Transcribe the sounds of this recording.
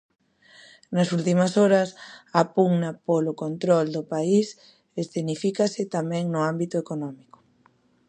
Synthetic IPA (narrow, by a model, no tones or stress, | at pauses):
nɐsult̪imɐsoɾɐsapuŋnɐpolokont̪ɾɔld̪ʊpais | esθenifikasɪt̪amɛ̃ŋnʊambit̪ʊekonɔmikʊ̥